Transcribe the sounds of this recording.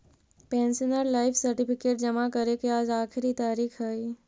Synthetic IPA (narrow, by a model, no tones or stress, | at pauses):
pɛ̃ːnsənəɾlaːɪfʰsəɾʈipʰɪkeːʈ̚d͡ʒəmakəɾekiaːd͡ʒaːkʰɪɾit̪aːɾiːkʰɦəj